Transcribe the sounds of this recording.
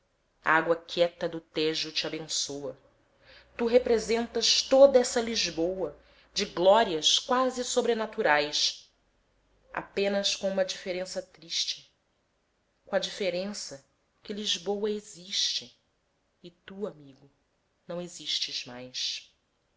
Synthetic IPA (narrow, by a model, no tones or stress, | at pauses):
aaɡwɐkʰɛt̪ɐd̪ʊt̪eʒʊt͡ʃabẽsowɐ | t̪uɦepɾezẽnt̪ɐʃt̪od̪ɐɛsɐliʒbowɐ | d͡ʒɪɡlɔɾiɐʃkwazɪsobɾenat̪uɾajs | a̰pẽnɐskõũmɐd͡ʒifeɾẽsɐt̪ɾiʃt͡ʃɪ̥ | kõɐd͡ʒifeɾẽsɐ | kɪliʒbowɐeziʃt͡ʃɪ | ɪt̪uamiɡʊ | nɐ̃w̃eziʃt͡ʃɪzmajs